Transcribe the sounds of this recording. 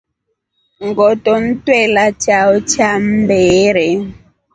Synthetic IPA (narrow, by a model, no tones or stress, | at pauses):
ŋɡɔtɔn̩twɛlat͡ʃaɔt͡ʃam̩bɛɾɛ